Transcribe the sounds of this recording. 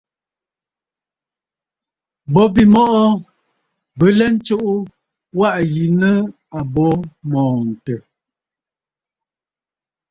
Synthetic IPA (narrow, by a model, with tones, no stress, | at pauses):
bɔ˦bi˨mɔ˦ʔɔ˦ | bə˨lɛ˦n̩˦t͡ʃo˦ʔu˦ | wa˦ʔji˨nə˦ | a˨bɔ˦mɔ̃ː˨n̩˨tə˨